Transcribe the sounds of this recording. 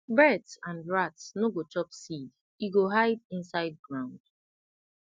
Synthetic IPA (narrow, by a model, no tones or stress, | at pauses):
bɛtsãnɹatsnoɡot͡ʃɔpsid | iɡoɦaɪdĩnsaɪd̚ɡɹãʊ̃nd̥̚